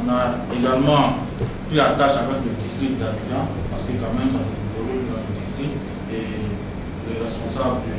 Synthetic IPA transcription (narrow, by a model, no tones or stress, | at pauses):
ɔ̃na | eɡalmɑ̃ | pχilat̪aʃãvɛkləd̪ist̪ʁipd̪abijɑ̃ | paʁsə̥kəkãmɛ̃msafɛtvolybd̪ãləd̪ist̪ʁi | e | leʁɛspɔ̃sabd̪ə